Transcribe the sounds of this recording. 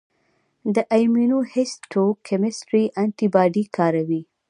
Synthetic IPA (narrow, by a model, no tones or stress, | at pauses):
d̪əʔajminohɪsʈokʰɛmɪsʈɾiʔant̪ibɑɖikɑɾawi